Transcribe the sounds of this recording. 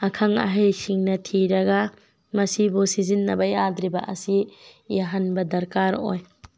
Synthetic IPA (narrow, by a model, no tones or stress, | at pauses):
ɐkʰaŋɐ̰ɦejsiŋnɐtʰiɾɐɡa | mɐsibusizinːɐbɐjadɾibɐ̰ʔɐsijaɦanbɐdɐɾkaɾo̰j